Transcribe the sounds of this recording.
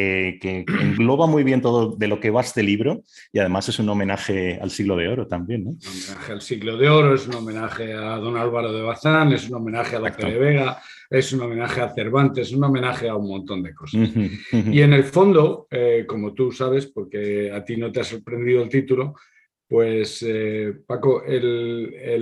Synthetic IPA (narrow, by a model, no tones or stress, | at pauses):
ekeeŋɡlo̞βamujβ̞je̞nt̪o̞ðoðe̞lo̞ke̞β̞azt̪eliβɾo̞ | iað̞e̞mase̞suno̞menaxe̞a̰lsiɣlo̞ð̞eo̞ɾot̪ambje̞nːoomenaxealsiɣlo̞ð̞eo̞ɾoe̞suno̞mẽ̞naχe̞aðo̞nalβaɾo̞ð̞e̞β̞aθane̞suno̞mẽ̞naxealapeleβ̞e̞ɣa | e̞suno̞mẽ̞naxe̞aθe̞ɾβant̪ees̬uno̞menaχeaunmõnt̪o̞nd̪e̞ko̞sasie̞ne̞lfo̞nd̪o̞eko̞mo̞t̪usaβ̞e̞spo̞ɾke̞at̪ino̞t̪easo̞ɾpɾe̞nd̪iðo̞elt̪it̪ulo̞ | pwe̞sepako̞ʔele